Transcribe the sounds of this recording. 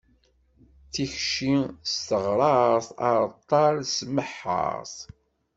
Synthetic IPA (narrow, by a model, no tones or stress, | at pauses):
θiçʃist̪əʁɾˤɑɾθɑ̰ɾˤt̪ˤːɑɾsməħːɑ̰ɾθ